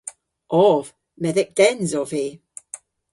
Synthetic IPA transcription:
ʔɔv̥ | mɛðɪk̚d̥ɛnzɔv̥i

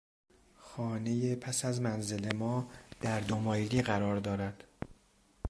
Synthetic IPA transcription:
xɒːne̞jepʰæsæzmænze̞le̞mɒːd̪̥æɾd̪omɒːjliːɣæɾɒːɾd̪ɒːɾæd̪̥

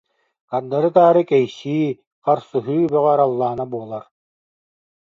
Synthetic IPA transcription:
kand̪aɾɯt̪aːɾɯkɛjɕiː | qaɾsuɦyːbœʁɛɾalˠːaːnabuɔlˠaɾ

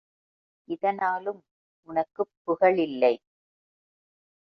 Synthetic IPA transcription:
ʔɪðɐnaːlɯm | ʔʊnɐkːɯpːʊɣɐɭɪlːɐɪ

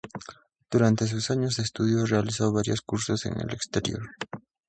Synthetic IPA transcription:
d̪̥uɾant̪e̞s̬usaɲos̬est̪uðjorealisaβaɾjoskuɾsose̞̰nḛlekst̪eɾjo̰ɾ

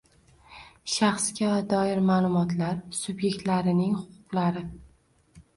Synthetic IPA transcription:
ʃaχskʲavad̪ɒɪɾmaːlˠʊmɒt̪laɾsʊbje̞k̚ʲt̪laɾɪnɪŋhʊqʰʊqlˠaɾɪ

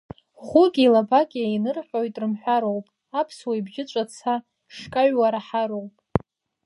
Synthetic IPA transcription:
χʊɡʲʼiːlabakʲʼiajnɨrħʷᶣojtʼrɨmħʷᶣaɾo̞wpʼ | apʰswaibʒɪt͡ʃʷʼat͡sʰa | ʂkʼaɥwaɾaħaɾowpʼ

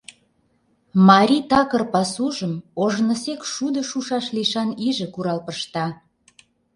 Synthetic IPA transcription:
mɑɾʲit̪ɑkərpɑsuʒəmoʒnə̆sekʃud̪əʃuʃɑʃliʃɑniʒə̆kuɾɑlpəʃt̪ɑ

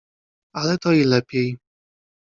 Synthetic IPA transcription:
alɛt̪ɔilɛpʲjɛj

